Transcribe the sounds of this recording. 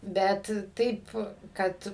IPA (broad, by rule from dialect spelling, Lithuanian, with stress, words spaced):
ˈbʲɛt ˈtɐɪp ˈkɐt